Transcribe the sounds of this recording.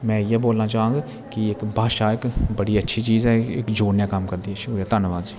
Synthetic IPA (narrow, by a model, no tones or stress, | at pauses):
mɛ̃ːɪjɛːboːlnãːt͡ʃaãːŋɡ | kɪɪkbʱaːʃaːɪkbəɽiːətːʃʰiːt͡ʃiːzɛːɪ̰kd͡ʒoːnjãːkəmkəɾd̪iːɛːʃʊkɾaːt̪ənʋãːd͡ʒ